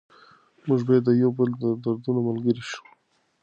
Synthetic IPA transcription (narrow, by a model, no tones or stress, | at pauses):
muʒbajad̪ːəjawbəld̪əd̪aɾd̪unamalɡəɾiʃu̥